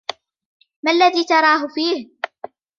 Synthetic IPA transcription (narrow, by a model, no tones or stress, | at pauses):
malːaðiːt̪ɑɾˤɑːɦʊfiːh